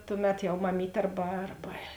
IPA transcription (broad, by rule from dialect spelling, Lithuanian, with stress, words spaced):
ˈtʊˌmʲɛt jɛʊ mɐˈmʲiːtʲ ˈɐrbɐ ˈɐrbɐ